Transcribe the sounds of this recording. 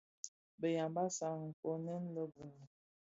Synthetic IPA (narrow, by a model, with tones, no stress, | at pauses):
bə˨ja˨mba˦sa˨ŋ˨ŋ̩˨ko˦nɛ˦n˦lə˦bə˨n˨